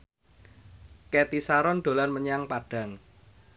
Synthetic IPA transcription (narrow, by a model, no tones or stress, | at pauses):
ket̪isaɾɔnd̪̥o̤lanməɲaŋpaɖ̥a̤ŋ